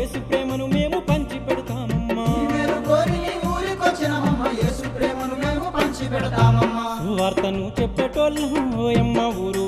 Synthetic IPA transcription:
eːsupɾɛːmɐnumeːmupɐɲt͡ʃipɛɽɐt̪aːmɐmːɐmeːmuɡoːɾinimuːlikot͡ʃːinɐɦɐmːɐjeːsupɾɛːmɐnumeːmupɐɲt͡ʃipɛɽɐt̪aːmɐmːɐʋaːɾt̪ɐnut͡ʃɛpːɐʈoːlːɐɦoːjɐmːɐʋuːɾu

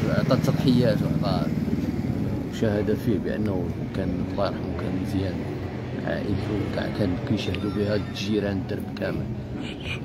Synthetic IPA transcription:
ʕt̪ˤɑt̪ːɑt̪ˤħəjːæt̪wə̰ʕt̪ˤɑ | ʃæhəd̪æfibəʔə̰nː | kænft̪ˤɑɾˤħkæ̰nzjæn | ʕa̰ʔəlfukkænkuʃæhd̪ubihæ | ʒiɾænd̪əɾbkæməl

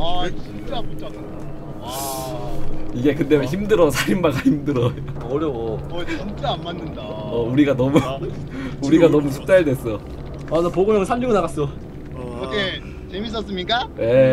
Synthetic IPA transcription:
ainaput͡ɕʰan | iɡe̞kɯnde̞çimdɯɾʌsʰaɾimbaɡaçimdɯɾʌjoʌɾjooint͡ɕ͈aanmanɯnda | ʌuɾiɡanʌmu | uɾiɡanʌmus̬ʰu̥k̚t͡ɕ͈aɭdwe̞s͈ʌ | ʌnʌpoɡomjʌŋɯnsʰamd͡ʑuɡonaɣas͈ʌ | okʰe | t͡ɕemis͈ʌs͈ɯmɲik͈ane̞

